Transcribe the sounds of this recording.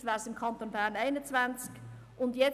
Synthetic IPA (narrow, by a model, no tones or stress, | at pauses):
væːɾsɪmkʰɑnt̪onbæːʁnaɪnət͡svant͡sk | ʊndjɛ